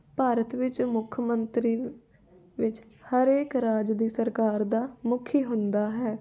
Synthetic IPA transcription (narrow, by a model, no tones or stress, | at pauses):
paːɾət̪ʋɪt͡ʃmʊkʰəmənt̪ɾiː | ʋɪt͡ʃ | həɾeːkɾaːd͡ʒd̪iːsəɾkaːɾd̪aːmʊkʰiːɦʊnd̪aːɦɛː